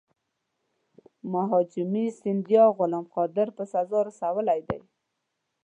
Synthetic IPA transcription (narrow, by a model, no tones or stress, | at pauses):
maɦɑd͡ʒɪmisɪnd̪ijɑɣʊlɑmqɑd̪ɪɾpəsazɑɾasawəlajd̪a̰j